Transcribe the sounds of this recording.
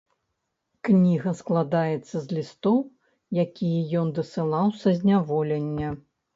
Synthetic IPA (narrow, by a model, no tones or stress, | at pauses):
knʲiɣɐsklˠad̪ajɛt̪sːɐzʲlʲist̪ɔw | jakʲijɛjɔnd̪ɐsɨlˠawsʲɐzʲnʲavɔlʲɛnʲːɐ